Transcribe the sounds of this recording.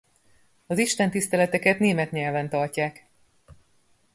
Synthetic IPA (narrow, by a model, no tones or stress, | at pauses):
ɒziʃt̪ɛnt̪ist̪ɛlɛt̪ɛkɛt̪neːmɛt̪ɲɛlvɛnt̪ɒrcaːk